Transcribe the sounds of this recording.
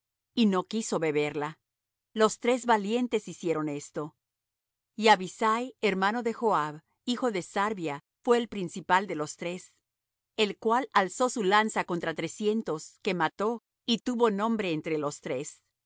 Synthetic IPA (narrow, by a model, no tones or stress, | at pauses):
ino̞kiso̞βe̞βe̞ɾla | lo̞st̪ɾe̞zβalje̞nt̪e̞sisje̞ɾo̞ne̞st̪o̞ | iaβisajeɾmano̞ðe̞xoaβ | ixo̞ðe̞saɾβja | fwe̞ːlpɾinsipald̪e̞lo̞st̪ɾe̞s | elkwalalso̞sulansako̞nt̪ɾat̪ɾe̞sje̞nt̪o̞ske̞mat̪o̞ | it̪uβo̞nõ̞mbɾe̞ːnt̪ɾelo̞st̪ɾe̞s